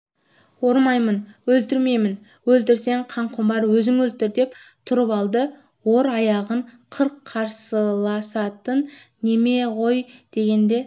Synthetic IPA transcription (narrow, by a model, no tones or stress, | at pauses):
wo̞ɾmɑjmənwɵlt̪ɪɾme̞jmɪn | wɵlt̪ɪɾse̞ɴqʰɑɴqʰʊmbɑɾwɵzɪŋɵlt̪ɪɾd̪e̞pt̪ʰʊɾəpɑlˠd̪ə | wo̞ɾɑjɑʁəɴqʰəɾqʰːɑɾsəlˠɑsɑt̪ənː | e̞me̞ʁo̞jd̪̥e̞ɡʲe̞nd̪e̞